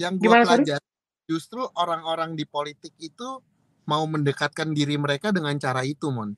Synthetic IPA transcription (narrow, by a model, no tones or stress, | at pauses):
jaŋbɡiaaəlad͡ʒa | d͡ʒust̪ɾuʔoɾaŋoɾaŋdipolit̪ɪk̚it̪u | mauməndəkat̪̚kandiɾiməɾekadəŋant͡ʃaɾait̪umʊn